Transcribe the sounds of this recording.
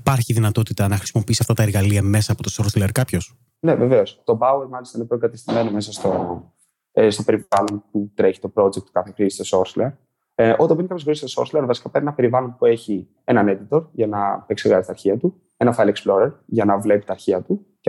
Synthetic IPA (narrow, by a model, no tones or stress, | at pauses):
ipɐɾçiðinɐt̪o̞t̪it̪ɐnɐxɾisimo̞piisiɐft̪ɐt̪ɐeɾɣɐliɐme̞sɐːpo̞t̪osoɾt̪leɾkɐpço̞s | ne̞ve̞ve̞o̞st̪o̞bɐweɾmɐlist̪ɐinepɾokɐt̪est̪ime̞nome̞s̬ɐst̪o | st̪o̞pe̞ɾivɐlo̞nput̪ɾe̞çi̥t̪o̞pɾo̞d͡zek̚t̪ːu̥kɐθe̞xɾist̪oso̞ɾt̪leɾ | ʔo̞t̪ɐmbinikɐpjoxɾist̪oso̰ɾt̪leɾvɐsi̥kɐpeɾpnɐpe̞ɾivɐlonpue̞çi | e̞nɐne̞d̪it̪o̞ɾʝɐnɐpe̞kseɣɐzit̪ɐɾçiɐt̪u | e̞nɐfɐjleksplo̞ɾeɾʝɐnɐvle̞pi̥t̪ɐːɾçiɐt̪u